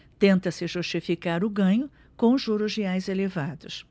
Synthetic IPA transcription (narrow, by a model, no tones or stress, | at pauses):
t̪ẽnt̪ɐsɪʒuʃt͡ʃifikaɾʊɡɐ̃ɲʊ | kõw̃ʒuɾʊzeajzelevad̪ʊs